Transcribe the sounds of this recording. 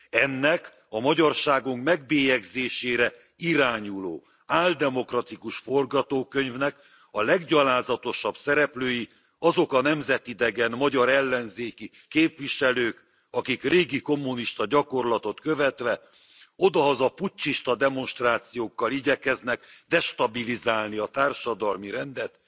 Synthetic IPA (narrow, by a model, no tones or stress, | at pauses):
ɛnːɛk | ɒmɒɟɒrʃaːɡuŋkmɛɡ̚beːjɛɡzeːʃeːɾɛ | iɾaːɲulo̰ː | aːld̪ɛmo̞krɒt̪ikuʃfo̞rɡɒt̪oːkø̞ɲvnɛk | ɒlɛɡɟɒlaːzɒt̪o̞ʃɒbsɛɾɛpløːji | ɒzo̞kɒnɛmzɛt̪id̪ɛɡɛnmɒɟɒɾɛlːɛnzeːki | keːpʋiʃɛløːk | ɒkikreːɡiko̞mːuniʃt̪ɒɟɒko̞rlɒt̪o̞t̪køvɛt̪ʋɛo̞d̪ɒɦɒzɒput͡ʃt͡ʃːiʃt̪ɒd̪ɛmo̞nʃt̪raːt̪sijoːkːɒliɟɛkɛznɛkd̪ɛʃt̪ɒbilizaːlniɒt̪aːrʃɒd̪ɒlmiɾɛnd̪ɛt̪